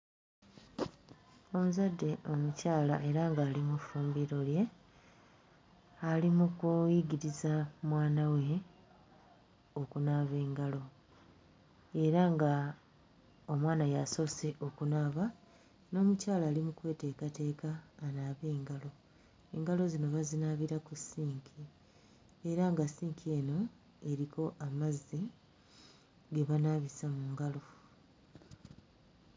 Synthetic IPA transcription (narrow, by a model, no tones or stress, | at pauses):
o̞muzadːe̞ʔo̞mucaːlaʔe̞ɾaŋɡaːlimufuːmbiɾo̞lje̞ | alimukujiɟiɾizamwaːnawe̞ | okunaːβe̞ːŋɡalo̞ | e̞ɾaŋɡa | omwaːnajaso̞se̞ʔo̞kunaːβa | no̞ːmucaːlaːlimukwe̞ːte̞kate̞ːkaːnaːβe̞ːŋɡalo̞ | e̞ŋɡalo̞zino̞βazinaːβiɾakusiːŋkʰi | eɾaŋɡasiːŋkʰie̞ːno̞ | e̞ɾikʰo̞ʔamazːi | ɡe̞βanaβisamuːŋɡalo̞